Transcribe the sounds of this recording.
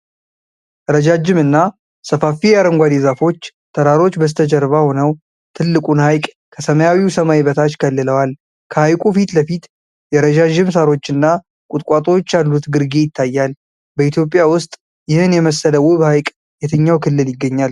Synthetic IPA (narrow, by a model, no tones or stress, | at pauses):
əɾəd͡ʒad͡ʒɪmɨnːa | səfafijaɾəŋɡʷad̪ezafo̞t͡ʃː | t̪ʰəɾaɾo̞t͡ʃːbəs̬t̪ʰəd͡ʒɛɾβaho̞nəw | t̪ʰɨlːɨkʼunhajkʼ | kʰəsəməjawiusəmaiβət̪ʰat͡ʃːkʰəlːɨləwal | kʰəhajkʼufit̪ləfit̪ | jɛɾəd͡ʒad͡ʒɪmsaɾo̞t͡ʃːɨnːa | kʼʊt̪ʼkʼat̪ʼo̞t͡ʃːjalːut̪ɡɨɾɡe̞jɪt̪ʰːajːal | bəit̪ʰjo̞pʼːjawʊst̪ʼ | jɪhɨnjɛməsːələwɨβhajkʼ | jɛt̪ʰəɲːawkʰɨlːɨljɪɡːəɲːal